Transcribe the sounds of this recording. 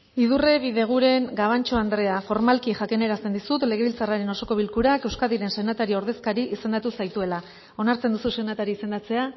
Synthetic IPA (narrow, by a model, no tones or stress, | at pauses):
ið̞ure̞βiðe̞ɣ̞uɾe̞ŋɡaβ̞ant͡ʃo̞and̪ɾe̞afo̞ɾmalkiʝakineɾast̪e̞nd̪isut̪le̞ɣ̞e̞βilt͡saraɾe̞no̞so̞ko̞β̞ilkuɾake̞wskaðiɾe̞nse̞nat̪aɾio̞ɾð̞e̞skaɾiʔise̞nd̪at̪usajt̪ue̞la | o̞naɾt͡se̞nd̪ususe̞nat̪aɾiːse̞nd̪at͡se̞a